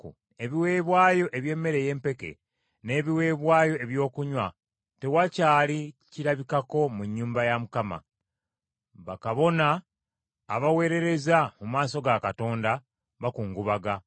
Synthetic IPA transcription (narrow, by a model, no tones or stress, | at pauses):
e̞βiwe̞ːβwaːjo̞ʔe̞βje̞ːmːe̞ɾe̞je̞ːmpe̞ke̞̰ | ne̞ːβiwe̞ːβwaːjo̞e̞βjo̞ːkuɲwa | te̞wacaːliciɾaβikako̞muɲːuːmbajamukama̰ | βakaβo̞naː | βawe̞ːɾe̞ɾe̞zamumaːso̞ɡakato̞ːnda | βakuːŋɡuβaɡa